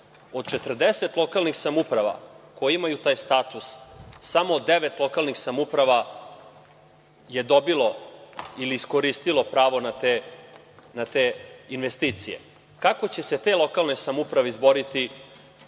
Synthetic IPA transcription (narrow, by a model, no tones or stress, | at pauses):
od̪t͡ʃe̞t̪r̩d̪ese̞t̪lˠo̞kalˠnixsamupɾaʋa̰kojiimajut̪aːjst̪aːt̪usːamod̪ːeʋe̞t̪lˠo̞kalˠnixsamupɾaʋa | je̞d̪o̞bilo̞iliːsko̞ɾist̪ilo̞pɾaːʋo̞nat̪e | nat̪einʋest̪iːt̪sije̞̰ | kako̞t͡ɕe̞se̞t̪eːlˠo̞kalˠnesamupɾaʋeizbo̞ɾit̪i